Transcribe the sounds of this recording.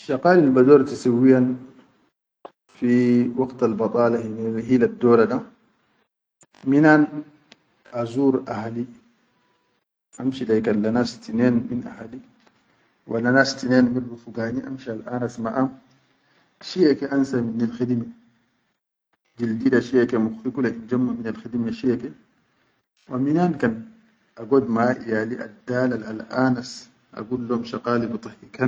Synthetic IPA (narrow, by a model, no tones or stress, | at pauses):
ʃaqaːlilbadoːɾt̪isawːijan | fiwɑkt̪albɑt̪ˤʼɑːlahiɦiladːɔːɾaɗa | minan | azuːɾʔahali | ʔamʃilajkalːanasi̥tineːnminʔa̰hali | walːanast̪ineːnmiɾbufuɡaːniʔa̰mʃialʔaːnasmaʔam | ʃiakeʔansaminalxidmi | d͡ʒildidaʃiakemuxikulaind͡ʒamːaminalxidmeʃiake | waminaːnkan | ʔaɡod̪maʔḭjaliʔa̰daːlalalʔaːnas | ʔa̰ɡulːomʃaqaːlibt̪ˤɨhikan